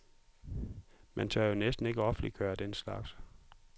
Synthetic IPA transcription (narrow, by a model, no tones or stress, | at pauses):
mænt͡sʰɶɐjo̝nesd̥n̩e̝ɡ̥əɒ̽fn̩liɡ̥ʰœːɐd̥enslɑ̈ɡ̥s